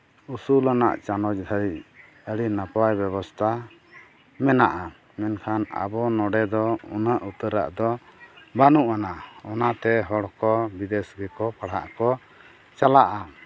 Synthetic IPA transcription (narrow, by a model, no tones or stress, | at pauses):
usulana̰ʔt͡ʃanɔd͡ʒd̪ʱaɾiʔ | əɽinapajbɛβɔst̪ʰa | mɛnaʔa | mɛnkʰana̰bɔnɔɖɛd̪ɔɔnaʔut̪əɾa̰ʔd̪ɔbanuʔanaɔnat̪ɛɦɔɽkɔbid̪ɛsɡɛkɔpaɽ̤a̰ʔkɔ | t͡ʃalaʔa